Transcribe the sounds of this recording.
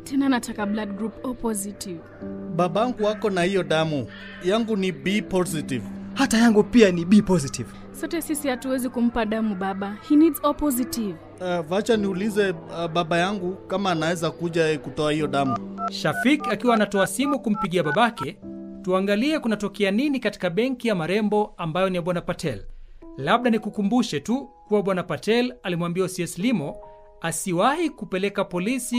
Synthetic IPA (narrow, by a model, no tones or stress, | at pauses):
tʰɛnanatʰakabladɡɾupɔpɔzitiv | ɓaɓaaŋɡuwakɔnahijɔɗamu | jaŋɡuniɓipɔzitivhatajaŋɡupianiɓipɔzitiv | sɔtɛsisihatuwɛzikum̩paɗamuɓaɓahinidzɔpɔzitiv | vat͡ʃaniulizɛɓaɓajaŋɡukamaːnawɛzakuʄaɛkutɔahijɔɗamuʃafikakiwaːnatɔasimukum̩piɠiaɓaɓakɛtuaŋɡaliɛkunatɔkɛaninikati̥kaɓɛŋkijamaɾɛmbɔambajɔniaɓwanapatʰɛllaɓɗanikukumbuʃɛtukuwaɓwanapatɛlalimwambiausiɛslimɔ | asiwahikupɛlɛkapɔlisi